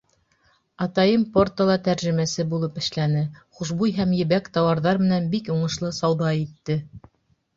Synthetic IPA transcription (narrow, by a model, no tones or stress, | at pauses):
ɑt̪ɑjɤmport̪əlˠɑt̪æɾʒɘ̆mæsɘbulˠɤpɘ̆ʃlænɘχuʃbujɦæmjɘ̆βækt̪ɑwɑɾðɑɾmɘ̆nænbikuɴɤ̆ʃlˠɤsɑwðɑit̪ːɘ